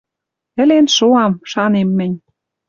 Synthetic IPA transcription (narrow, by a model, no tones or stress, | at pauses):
ɘ̆lenʃoɑmʃɑnemːɘ̆nʲ